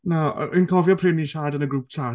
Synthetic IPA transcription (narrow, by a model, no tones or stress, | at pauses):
na̰inkʰɔvjɔpʰrɪniʃaːdənəɡɾuːp̚tʰaː